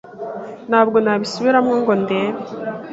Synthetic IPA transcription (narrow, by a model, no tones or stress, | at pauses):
nhaːb̚ɡo̞naβisuβiɾamŋoːŋɡo̞nde